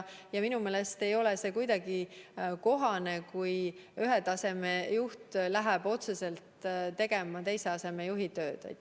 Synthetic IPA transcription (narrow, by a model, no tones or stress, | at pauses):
jɑminume̞ːle̞st̪e̞jo̞lese̞kujd̪ɑɡ̥iko̞ɦɑne̞kujyɦet̪ɑse̞me̞juht̪læɦɛb̥o̞t̪se̞se̞lt̪t̪e̞ɡ̥e̞mɑt̪e̞jse̞ɑse̞me̞juɦit̪ø̞ːd̪̥ḛ